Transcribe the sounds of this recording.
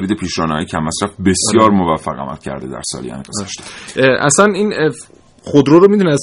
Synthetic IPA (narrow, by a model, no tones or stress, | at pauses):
ɾid̪epʰiːʃɾɒːnhɒ̰jecʰæmːæsɾæfbe̞sjɒːɾmovæfːæɣæ̰mæ̰lcʰæ̰ɾd̪ed̪æ̰ɾsɒ̰ːlijɒ̰ːnḭɡozæʃt̪e̥ʔæ̰sænin | χod̪ɾoɾomid̪unæs